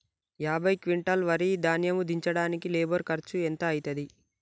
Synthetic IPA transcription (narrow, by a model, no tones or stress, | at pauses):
jaːbʱɐjkʋiɳʈɐlʋɐɾid̪aːnjɐmud̪iɲt͡ʃɐɽaːnikileːbɐɾkɐɾt͡ʃuent̪ɐːjit̪ɐd̪i